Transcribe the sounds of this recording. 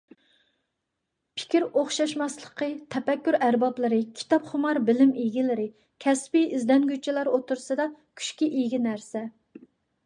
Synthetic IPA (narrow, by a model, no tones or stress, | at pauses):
pʰɪ̥kʲiɾoχʃɑʃmɑslˠəqət̪ʰɛpɛkʲːyɾæɾbɑplˠɨɾɨkʲʰi̥t̪ɑpχʊmɑɾbɪlɪmiɡʲilɪɾɪ | kʲʰɛspiizd̪ɛnɡʲyt͡ʃʰːilɑɾot̪uɾsɨd̪ɑkʲʰy̥ʃkʲiʔiɡʲinæɾsɛ